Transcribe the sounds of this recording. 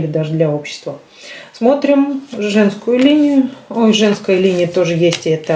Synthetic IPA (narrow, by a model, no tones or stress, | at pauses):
lʲɪd̪aʐɨd̪lʲao̞pɕːɪ̥st̪və | smo̞t̪ɾʲɪmʐɛnskʊjʊlʲinʲɪjʊojʐɛnskəjəlʲinʲɪjət̪o̞ʐɨjesʲtʲɛt̪ə